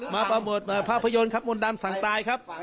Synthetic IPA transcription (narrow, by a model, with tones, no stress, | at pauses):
maː˧pa˧mbo˨˩t̪̚ʔaː˨˩pʰːaː˥˩pʰːa˧jo˧nkʰa˦˥p̚mo˧ndaː˧msa˩˦ŋt̪aː˧jkʰa˦˥p̚